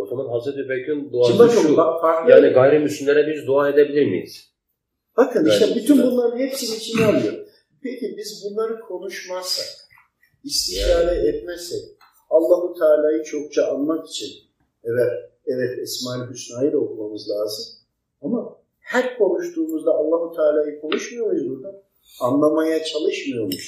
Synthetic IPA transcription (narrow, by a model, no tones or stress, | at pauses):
ot̪ʰomanɦazɾet̪ybekʰynd̪uaɯmbat͡ʃʰokbakfaɾklˠaːniɡajɾɯmysymlʲeɾɛbizd̪uaːed̪ebilʲiɾmḭjḭz̥ | bakɯniʃt̪ɛbyt̪ʰynbunlˠaɾhepsiniit͡ʃʰinalˠɯjo | pʰecʰibizbunlˠaɾɯkʰo̞nuʃmassa̰k | ist̪ʰiʃaːd̪ɛɛt̪mɛsɛc | alˠːaɦut̪ʰaːlʲaːjɯt͡ʃʰo̞k̚t͡ʃʰaʔanmaki̥t͡ʃʰin | ɛvæɾɛvɛt̪ʰismaːilʲbysnajilʲo̞kumamɯzlʲaːzɯm | ama | hæɾkʰo̞nuʃt̪ʰuːmuzd̪aːlˠːaɦut̪ʰaːlʲaːjɯkʰo̞nuʃmɯjo̞ɾuzbuɾd̪an | anlˠamajat͡ʃʰalˠɯʃmɯjomuʃ